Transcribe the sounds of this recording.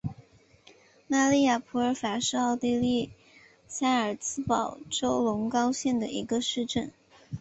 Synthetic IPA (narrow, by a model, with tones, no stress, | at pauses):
na˥˧li˥˩ja˨˩pʰu˧˥ə˞˧˥fa˨˩ʂɻ̩˥˧ɑ˥˧ʊt̪i˥˧li˥˩ | sa˥ə˞˨˩t͡sʰɹ̩˥pɑ˨˩ʊʈ͡ʂo˥ʊlʊ˧˥ŋkɑ˥ʊɕjɛ˥˩nd̪ə˩i˧˥ɡə˧ʂɻ̩˥˧ʈ͡ʂə˥˩n